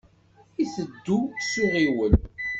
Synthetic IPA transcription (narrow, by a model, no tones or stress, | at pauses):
iθəd̪ːusiʁiwəl